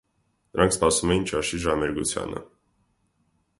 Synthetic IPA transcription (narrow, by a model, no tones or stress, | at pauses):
nəɾɑŋkʰspɑsumɛjint͡ʃɑʃiʒɑmɛɾɡut͡sʰjɑ̰nə̰